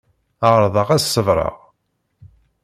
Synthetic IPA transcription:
əʁɾˤðˤəʁæsːəvɾˤɑ̰ʁ

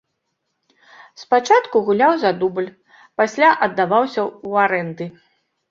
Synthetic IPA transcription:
spat͡ʂat̪kuɣulʲawzad̪ubɨlʲ | pasʲlʲaʔɐd̪ːavawsʲɐuaɾɛnd̪ɨ

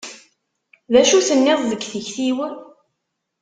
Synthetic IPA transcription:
ðæʃuθənːɪðˤðəɡθəçθiwæ

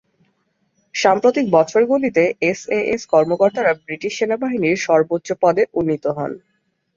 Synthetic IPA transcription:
ʃampɾot̪ik̚bɔt͡ɕʰoɾɡulit̪eeseʔeskɔɾmokoɾt̪aɾabɾiʈiʃːenabaɦiniɾʃɔɾbotːɕopɔd̪eʔunːit̪oɦɔ̰n

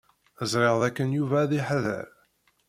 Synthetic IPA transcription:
əzɾˤeʁðækːənjuvæːðiħəðæ̰ɾ

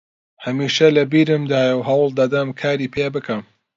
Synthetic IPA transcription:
hɐmiːʃɐlɐbiːɾɨmd̪aːjɐwɦɐwɨlˠd̪ɐd̪ɐmkʰaːɾiːpʰebɨkʰɐm

